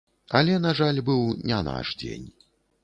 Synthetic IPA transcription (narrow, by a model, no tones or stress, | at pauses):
ɐlʲɛnaʐalʲbɨwnʲɛna̰ʂd͡zʲḛnʲ